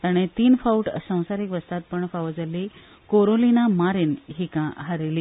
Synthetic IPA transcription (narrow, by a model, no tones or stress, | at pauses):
t̪aɽ̃et̪iːnfauʈsə̃w̃saɾikʋəst̪at̪̚pəɳfaʋəd͡zəli | koɾolinamaɾinɦikãɦəɾeliː